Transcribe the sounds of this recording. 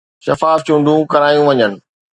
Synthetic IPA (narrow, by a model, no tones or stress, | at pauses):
ʃɐfaːft͡ɕʊ̃ɳɖʱũkɐɾaːjũʋɐɲənɪ̆